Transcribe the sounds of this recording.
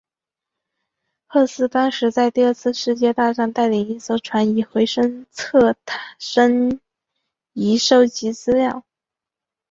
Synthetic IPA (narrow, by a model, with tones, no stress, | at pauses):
xɤ˥˧sɹ̩˥˩t̪ɑ˥ŋʂɻ̩˧˥t͡sa˥˧ɪt̪i˥˧ə˞˥˧t͡sʰɹ̩˥˧ʂɻ̩˥˧t͡ɕjɛ˥˧t̪a˥˧ʂɑ˥˧ŋt̪a˥˩ɪli˨˩ŋi˥˩so˥ʊʈ͡ʂʰwa˧˥ni˨˩xwe˧˥ɪʂə˥ŋt͡sʰɤ˥˩t̪ʰʂə˥ŋ | i˧˥ʂo˥˩ʊt͡ɕi˧˥t͡sɹ̩˥ljɑ˥˩ʊ